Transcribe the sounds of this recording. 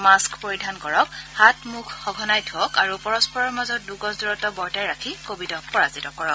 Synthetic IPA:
maskpoɹidʱankɔɹɔkhatmukʰxɔɡʱɔnajtʰuɔkaɹupɔɹɔspɔɹɔɹmazɔt̚duɡɔsduɹɔtɔbɔɹtajɹakʰikobitɔpɔɹazitɔkɔɹɔk

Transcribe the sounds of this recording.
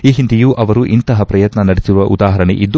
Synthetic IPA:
iːɦind̪ijuʔɐʋɐɾuʔint̪ɐɦɐpɾɐjɐt̪nɐnɐɽesiɾuʋɐʔud̪aːɦɐɾɐɳḛʔid̪ːu

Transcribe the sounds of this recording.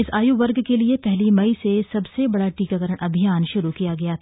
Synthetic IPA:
ɪsaːjuʋɐɾɡkeliepɛɦlimɐisesɐbsebɐɽaʈiːkakɐɾəɽ̃ʔɐbʱijaːnʃʊɾukijaɡɐjat̪ʰː

